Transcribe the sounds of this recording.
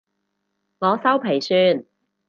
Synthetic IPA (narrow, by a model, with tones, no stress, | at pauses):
ŋɔː˨˧sɐ˥wpʰe˨˩jsyː˧n